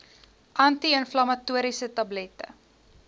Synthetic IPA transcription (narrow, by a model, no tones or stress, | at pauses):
ʔɐntiənflɐmɐtuəɾisətɐblɛtə̰